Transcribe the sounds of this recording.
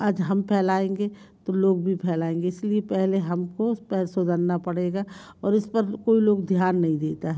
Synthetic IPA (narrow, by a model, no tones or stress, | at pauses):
əd͡ʒɦɐmpʰɛːlaːẽːŋɡet̪oloːɡbʱipʰɛːlaːẽːŋɡeɪsliepɛɦleɦɐmkopɛːlsod̪ʱənnapɐɽeːɡa | ɔːɾɪspəɾkoːiloːɡd̪ʱjaːnːɐɦĩd̪eːt̪aɦɛː